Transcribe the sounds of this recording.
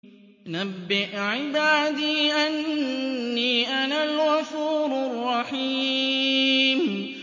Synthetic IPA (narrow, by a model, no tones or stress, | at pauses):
nabːɪʔʕɪbaːd̪iːʔanː | iːʔanalɣɑfuːɾrˤːɑħi | m